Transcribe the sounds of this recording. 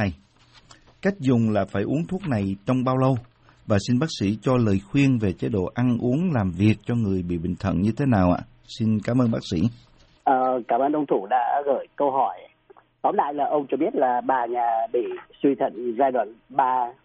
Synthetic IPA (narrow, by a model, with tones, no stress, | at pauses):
a˨˩j | ka˦˥jk̟̚zʊ˨˩ŋ͡mlaː˨˩faː˧˩jʔu˨˦əŋt̪ʰu˦˥ək̚na˨˩jt͡ɕɔ˧wŋ͡mɓaː˧wlə˧w | vaː˨˩si˧nɓaː˦˥k̚sḭ˧˥t͡ɕɔ˧ləː˨˩jxwi˧ənve˨˩t͡ɕe˨˦ɗo̰˧˨ʔa˧nʔu˨˦əŋlaː˨˩mvi˨˩ək̚t͡ɕɔ˧ŋɨ˨˩əjɓḭ˧˨ɓï˧˨˩ŋ̟t̪ʰə̰˧˨nɲɨ˧t̪ʰe˨˦naː˨˩wʔa̰ː˧˨ | si˧nkaː˨˦mʔəː˧nɓaː˦˥k̚sḭ˧˥ | ʔəː˨˩kaː˧˩mʔəː˧nʔə˧wŋ͡mt̪ʰu˧˩ɗa̰ː˧˥ɣəː˧˩jkə˧wɦɔ˧˩j | t̪ɔ˨˦nla̰ː˧˨jlaː˨˩ʔə˧wŋ͡mt͡ɕɔ˧ɓi˦˥ət̚laː˨˩ɓaː˨˩ɲaː˨˩ɓḭ˧˨swi˧t̪ʰə̰˧˩ŋzaː˧jɗwa̰ː˧˨nɓaː˧